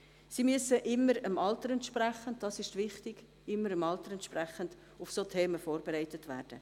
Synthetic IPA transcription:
simyəsəʔɪmːəɾəmɑltəɾɛntʃpræχənt̚d̥ɑːsɪʃtʋɪχtɪɡ̥ | ɪmːəɾəmɑltəɾɛnt̪ʃpræχənd̥ | ʊfsoːtʰɛːməfoːɾbeɾɛɪtətvæ̰ːrd̥ə

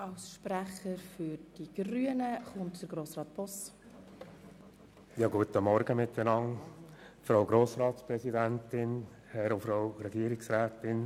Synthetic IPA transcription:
ɑwsʃpɾæχəɾfyɾd̥iɡ̥ɾyənəχʊntd̥əɾɡɾoːsrɑːt̚b̥ɔs | jɑːɡuət̪əmɔɾɡəmɪtɛnɑŋ | fɾowɡɾoːsɾɑːtspɾɛsidæntɪn | hɛɾʊfɾaʊɾɛɡiəɾɪksɾæːtɪn

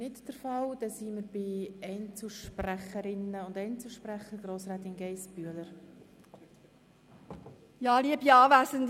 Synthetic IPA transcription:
nɪtd̥əɾfɑld̥ɛsiːməɾb̥ɪɛɪnt͡suʃpræχəɾɪnəʊndɛɪnt͡suʃpræχəɾɡɾoːsrɛːt̪ɪnɡɛɪsb̥yələɾ | jɑːliəbiɑːʋæːzənd

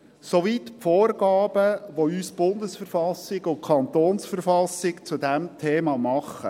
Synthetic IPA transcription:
soʋit̪pfoːrɡ̥ɑːb̥əʋoyːsb̥ʊnd̪əsfəɾfɑsɪɡʊnkʰɑnt̪oːnsfəɾfɑsɪkt͡sudɛmtʰeːmɑːmɑχə̰

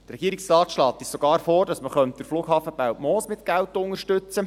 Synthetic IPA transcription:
əɾɛɡiːəɾiksrɑːtʃlɑːt̪ːɪssɔɡ̥ɑːɾfoːɾdɑsməχœnt̚d̥̪əɾfluːɡ̥ɦɑːfəbæwtmɔːsmɪt̪ɡ̥ælt̪ʊŋəɾʃtʏt͡sə

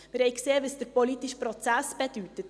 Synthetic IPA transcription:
mɪɾhɛɪjkseːʋəsd̥əɾpɔlit̪iʃpɾɔt͡sæsb̥ed̥̪ytət

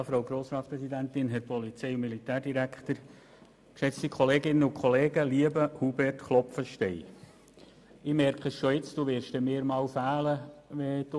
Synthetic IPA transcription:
jɑfɾɑwɡɾoːsɾɑːtspɾɛsid̪ænt̪ɪnɦɛɾpɔlit͡sɛɪʊmilit̪æːɾdiɾækχt̪əɾ | kʃɛt͡st̪ikʰɔleːɡɪnːəukχoleːɡəliəbəhubɛrtχlɔpfəʃtɛɪ | ɪːmɛɾkχəsʃɔɪt͡sd̥uʋɪɾʃd̥̪ɛmɪːɾmɑːwfæːləʋɛd̥u

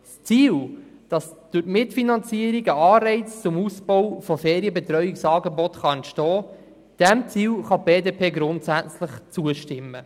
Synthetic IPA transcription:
st͡siːld̥ɑsd̥ʊɾtmɪtfinɑnt͡siəɾiɡəɑːrɛɪt͡st͡sʊmusb̥ɔwfɔfeːɾiəbɛt̪ɾœɥiksɑːɡebɔtχɑɛntʃtɔː | d̥ɛmt͡siːlχɑb̥eːdeːpʰeːɡɾʊntsæt͡sləχt͡suəʃtɪmːə

